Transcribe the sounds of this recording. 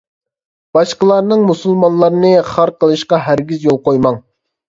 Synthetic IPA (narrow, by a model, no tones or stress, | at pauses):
b̥ɑʃqəlˠɑɾnɨŋmusulˠmɑnlˠɑɾɨnɨχɑɾqʰəlˠɨʃqɑɦæɾɡʲizjolˠqojmɑŋ